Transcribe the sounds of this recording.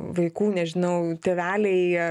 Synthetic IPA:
ʋɐɪkuːnʲɛʒʲɪnɐʊt̪ʲɛʋʲæːlʲɛɪ

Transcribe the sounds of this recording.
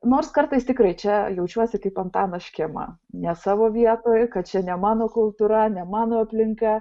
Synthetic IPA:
noːrskɐrt̪ɐɪst̪ʲɪkrɐɪt͡ʃʲɛjɛʊt͡ʃʲuɔsʲɪkɐɪpɐnt̪ɑːnɐʃʲkʲemɐ̰ | nʲɛsɑːʋoːʋʲiɛt̪oːjkɐt̪̚t͡ʃʲɛnʲɛmɑːnoːkʊlˠt̪uɾɐnʲɛmɑːnoːɐpʲlʲɪŋkɐ

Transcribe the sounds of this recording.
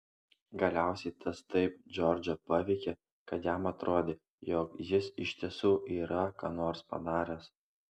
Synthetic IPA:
ɡɐlʲæˑʊsʲɛɪt̪ʰɐst̪ɐɪpd͡ʒʲɔːɾʲd͡ʒʲopɑʋʲɛɪkʲe | kɐt̪jæmɐt̪ɾʔoːd̪ʲeː | joːkjɪsɪʃʲt̪ʲiɛsuːʔiːɾɐkɑ̰ːnoːɾspɐ̰nɑːɾʲos

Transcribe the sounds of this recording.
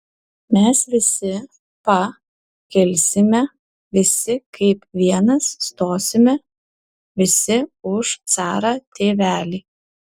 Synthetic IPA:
mʲɛsʋʲɪsʲɪ | pɐ | kʲɛlʲsʲɪmʲɛ | ʋʲɪsʲɪkʰɐɪpʋʲiɛnɐsːt̪oːsʲɪmʲɛ | ʋʲɪsʲɪʊʃt̪sɑːɾɑːt̪ʲeːʋʲæːlʲiː

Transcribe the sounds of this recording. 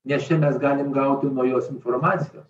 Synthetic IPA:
ɲʲɛʃɛnazɡanɛmɡawt̪umɔjɔ̃sinfɔɾmat̪sʲjɔ̰

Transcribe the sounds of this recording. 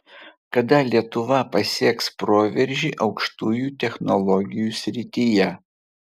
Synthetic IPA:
kɐd̪ɐlʲiɛt̪ʊʋɐpɐsʲiːkspɾoːʋʲɛɾʲʒʲiːʔɒʊkʃt̪uːjuːt̪ʲɛxnɔlˠɔɡʲɪjuːsʲɾʲɪt̪ʲijɛ

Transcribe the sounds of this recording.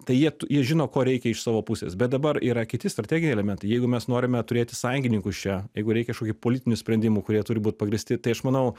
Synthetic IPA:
t̪ɐɪjiɛt̪ʊjiɛʒʲɪnoːkoːɾʲɛɪkʲɛɪʃsɑːʋoːpʊsʲḛsbʲɛt̪̚d̪ɐbɐɾiːɾɐkʲɪt̪ʲɪst̪ɾɐt̪ʲæːɡʲɪnʲeɛlʲɛmʲɛnt̪ɐɪjɛɪɡʊmʲɛsnoːɾʲɪmʲɛt̪ʊɾʲeːt̪ʲɪsɐŋʲɡʲɪnʲɪŋkʊst͡ʃʲɛjɛɪɡʊɾʲɛɪkʲɛʃkoːkʲːpoːlʲɪt̪ʲɪnʲʊsʲpʲɾʲɛnʲd̪ʲɪmuːkʊɾʲiɛt̪ʊɾʲɪbuːt̪̚ʲpɐɡɾʲɪsʲt̪ʲɪt̪ɐɪɐʃmɐnɐʊ

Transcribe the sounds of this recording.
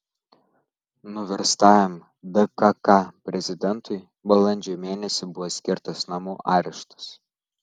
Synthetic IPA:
nʊʋʲɛɾst̪ɑːjʲɛm | d̪ɐkɐkɑpʲɾʲɛzʲɪd̪ʲɛnˑt̪ʊɪ | bɐlˠɐnʲd͡ʒʲoːmʲeːnʲɛsʲɪbʊʋoːsʲkʲɪɾt̪ɐsnɐmuːʔɑːɾʲɛʃt̪ɐ̥s

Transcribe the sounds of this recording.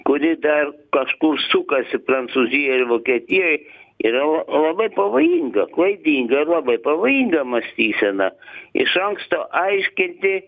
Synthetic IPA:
kʊɾʲɪd̪ɐrkɐʃkʊɾsʊkɐsʲɪpɾɐnt̪suːzʲɪjɛɪɾʋoːkʲɛt̪ʲijojḭːɾɐlˠɐlˠɐbɐɪpɐʋoːjiŋɡɐklˠɐɪd̪ʲiːŋɡɐɪrlˠɑbɐɪpɐʋoːjiŋɡɐmɐsʲt̪ʲiːsʲɛnɐɪ̰ʃɐŋkst̪oʔɐɪʃʲkʲɪnʲt̪ʲɪ

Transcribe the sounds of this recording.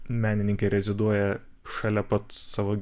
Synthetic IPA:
mʲæːnʲɪnʲɪŋʲkʲɛɾʲɛzʲɪd̪uɔjɛ | ʃɐlʲɛpɐt̪sɑːʋoː

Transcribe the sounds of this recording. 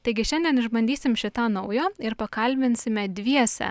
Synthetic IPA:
t̪ɐɪɡʲɪʃʲɛnʲd̪ʲiɛnɪʒbɐnʲd̪ʲiːsʲɪmʃʲɪt̪ɑːnɐʊjoːɪɾpɐkɐlʲbʲɪnʲsʲɪmʲɛd̪ʲʋʲiɛsʲɛ̰

